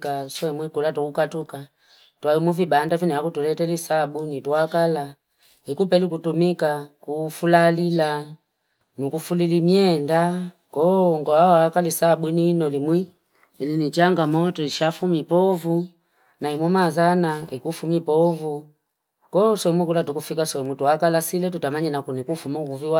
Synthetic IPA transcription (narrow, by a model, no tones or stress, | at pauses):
kaswɛmwikulatukukatuka | twaimuvibandaviniakutulɛtɛlisabunituakala | hikupɛlikutumikakufulalila | nukufulilimiɛndakɔŋɡɔawakalisabuininɔlimwiː | linit͡ʃaŋɡamɔtɔiʃafumipɔvu | naimwɔmazanaikufumipɔvu | kɔsɔmwikulatukufikasɔmwituakalasilɛtutamaɲɛnakunikufumakuviwa